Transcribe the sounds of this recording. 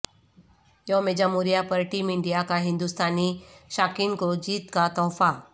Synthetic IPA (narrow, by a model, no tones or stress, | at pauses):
jɔmed͡ʒamuɾijapəɾʈiːmɪ̃ɳɖijakaɦɪ̃nd̪ust̪ʰaːniʃaːkinkod͡ʑiːt̪kat̪ɔːfa